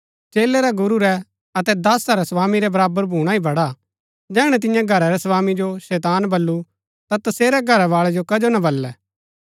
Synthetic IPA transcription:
t͡ʃeːlɛɾɛɡʊɾuɾɛ | ɐt̪ɛd̪ɐsaɾɛsɐʋaːmiɾɛbɐɾaːbəɾbʱuːɽ̃aibʱɐɽa | d͡ʒɛːɽ̃ɛt̪̬ɪjãɡʱɐɾaɾɛsɐʋaːmid͡ʒoʃɛːt̪aːnbɐlːu | t̪at̪ɐseːɾɛɡʱɐɾaʋaːɭɛd͡ʒokɐd͡ʒonabɐlːɛː

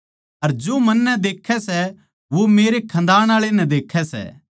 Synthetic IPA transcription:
ɐɾd͡ʒoːmɐnːɛd̪eːkʰːɛsɛ | ʋomeːɾekʰɐ̃nd̪aːɽ̃aːɭenɛd̪eːkʰːɛsɛ̰ː

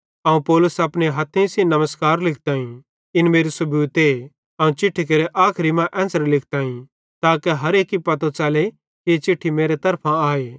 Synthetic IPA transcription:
ɐːũpɔːlʊsɐpñeɦɐt̪ʰːẽsĩnɐməskaːɾlɪkʰt̪aːĩ | ɪnmeːɾisʊbuːt̪e | ɐːũt͡ʃɪʈʰːik̬ɐɾeʔaːkʰɾimãʔɛ̃ːnsəɾlɪkʰt̪aːĩ | t̪aːkɛɦɐɾeːkipɐt̪õt͡ʃɐːle | ket͡ʃɪʈʰːimeːɾet̪ɐɾpʰãaːeː

